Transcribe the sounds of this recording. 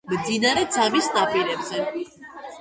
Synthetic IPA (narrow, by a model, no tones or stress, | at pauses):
md̪inaɾɛd̪zamisnapʼiɾɛbzɛ